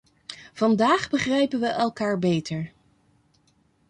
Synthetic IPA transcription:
v̥ɑndaːχbəχrɛjpənʋəʔɛlˠkaːɹbejtəɹ

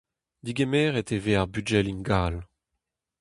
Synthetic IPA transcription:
d̪iɡemɛːʁet̪eveːaʁbyd͡ʒɛlinɡaːl

